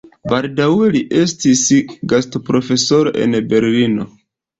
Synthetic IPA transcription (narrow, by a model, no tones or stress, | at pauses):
baldawe̞liʔe̞stisɡastopɾo̞fe̞so̞ɾo̞ʔe̞̰nbe̞ɾlino̞